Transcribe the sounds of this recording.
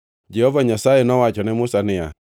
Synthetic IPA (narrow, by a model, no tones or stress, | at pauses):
d͡ʒɛhɔvaɲasaenɔwat͡ʃɔnɪmusanɪja